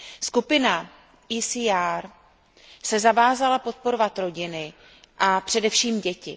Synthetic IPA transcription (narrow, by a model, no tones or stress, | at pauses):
skupɪna | iːsiːaːɾ | sɛzavaːzalapo̞t̪̚po̞ɾo̞vat̪ɾo̞ɟɪnɪ | ʔapr̝̥ɛdɛfʃiːmɟɛcɪ̰